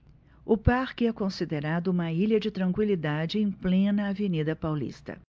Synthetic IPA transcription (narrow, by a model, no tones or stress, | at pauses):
ʊpaɾkɪɛkõsid̪eɾad̪ʊũmɐiʎɐd͡ʒɪt̪ɾɐ̃ŋkwilid̪ad͡ʒɪẽj̃plẽnɐavenid̪ɐpawlḭst̪ɐ̰